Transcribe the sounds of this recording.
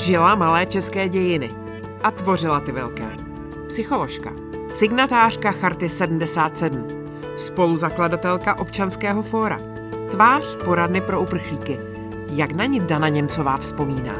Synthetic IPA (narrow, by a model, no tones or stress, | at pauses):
ʒɪlamalɛːt͡ʃɛskɛːɟɛjɪnɪ | ʔat̪vo̞rɪlat̪ɪvɛlkɛ̰ː | psɪxo̞lo̞ʃka̰ | sɪɡnat̪aːr̝̥kaxaɾt̪ɪsɛdm̩dɛsaːt̪sɛdum̩ | spo̞luzakladat̪ɛlkaʔo̞pt͡ʃanskɛːɦo̞fo̞ːɾa̰ | t̪vaːr̝̥po̞ɾadnɪpɾo̞ʔupr̩xliːkɪ | jaknaɲɪdanaɲɛmt͡so̞vaːfspo̞miːna̰ː